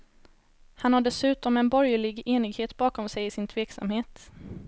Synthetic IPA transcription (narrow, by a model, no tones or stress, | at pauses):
hanhaɖɛsʉ̟ːt̪ɔmɛnbɔɾjəɭɪɡeːnɪɡheːt̪bɑːkɔmsɛjɪsɪnt̪ʰveːksa̰mheːt̪